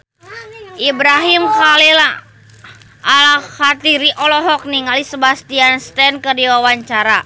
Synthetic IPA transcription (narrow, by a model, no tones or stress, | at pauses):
ʔibɾaɦimkalila | ʔalaxat̪iɾiʔɔlɔɦɔk̚niŋalisəbast̪ianst̪ɛnkərdiwawaɲt͡ʃaɾa